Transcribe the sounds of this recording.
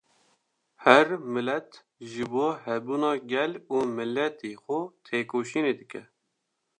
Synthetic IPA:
hɛɾmɪlɛt̪ | ʒɨboːhɛbuːnɑːɡʲɛluːmɨlːɛt̪eːxʊt̪ʰeːkoːʃiːneːd̪ɨkɛ

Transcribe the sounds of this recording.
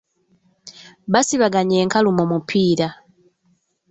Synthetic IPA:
βasiβaɡaɲeːŋkalumomupʰiːɾa

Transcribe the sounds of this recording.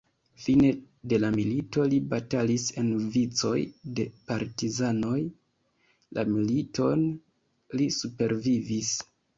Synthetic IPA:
fine̞ | de̞lamilito̞libatalise̞nvit͡so̞̰jde̞paɾtizano̞j | la̰milito̞n | lisupe̞ɾvivis

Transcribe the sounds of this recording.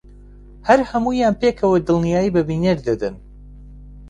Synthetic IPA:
hɐɾhɐmuːjaːnpekʰɐwɐd̪ɨlˠnijaːjiːbɐbiːneɾd̪ɐd̪ɨn

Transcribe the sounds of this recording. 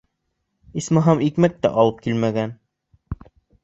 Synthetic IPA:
ismɤɦɑmikmæk̚t̪æ̰ʔɑlˠɤp̚kilmæɡæn

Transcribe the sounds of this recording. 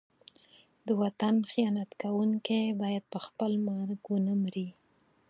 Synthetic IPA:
d̪əwat̪anxijɑnat̪kawuŋkebɑjad̪̚pəxpəlmaɾkwənəmɾi

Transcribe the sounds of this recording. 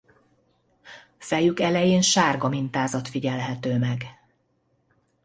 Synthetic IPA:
fɛjykɛlɛjeːnʃaːrɡɒmint̪aːzɒt̪fiɟɛlɦɛt̪øːmɛɡ

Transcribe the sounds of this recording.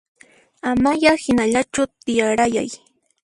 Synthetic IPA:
amajahɪnaʎat͡ʃʊt̪ɪjaɾaja̰j

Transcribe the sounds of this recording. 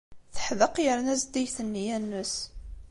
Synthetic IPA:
θə̥ħðəqjəɾnæzd̪ijθənːijænːʊs

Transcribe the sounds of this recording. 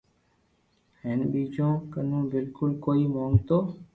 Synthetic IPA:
ɦeːnɓiːd͡ʒõːkənũːbɪlkʊlkoːiːmõːŋɡt̪oː

